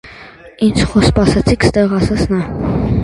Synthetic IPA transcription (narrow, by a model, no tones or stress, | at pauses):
ind͡ʒʰχɔspɑsɛt͡sʰikʰst̪ɛʁɑsɑt͡sʰnɑ